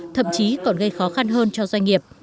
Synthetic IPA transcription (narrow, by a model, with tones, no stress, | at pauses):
t̪ʰə̰˧˨mt͡ɕi˨˦kɔ˨˩nɣə˧jxɔ˨˦xa˧nɦəː˧nt͡ɕɔ˧zwa˧ŋ̟ŋi˨˩əp̚